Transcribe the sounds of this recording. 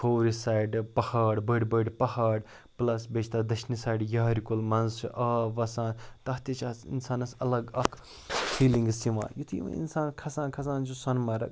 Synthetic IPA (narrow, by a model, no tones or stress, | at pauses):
fʰowɾisaːjɖpɐhaːɖbəɖbəɖpɐhaːɽ | plɐsbet͡ʃʰt̪ad̪ɐʃnisaːjɖjaːɾikulmɐnzʔɐːʋɐsãːnt̪ɐɦt̪it͡ʃʰaːsḭnsaːnɐsɐlɐɡɐkʰ | pʰiːlĩŋɡsiʋã̰ːjut̪ʰḭʋɐ̰̃ḭnsaːnkʰɐsãːnkʰɐs̬aːnt͡ʃʰusɐnmɐɾɐ̰k